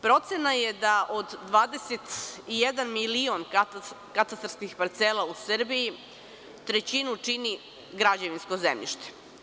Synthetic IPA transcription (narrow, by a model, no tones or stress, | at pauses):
pɾo̞t̪senajed̪aʔod̪ːʋaːd̪eset̪ijed̪anmilion | kat̪ast̪aɾskixpaɾt̪seːlausɾbiji | t̪ɾet͡ɕinut͡ʂini | ɡɾad͡ʑeʋinsko̞zḛmʎḭʃt̪e̥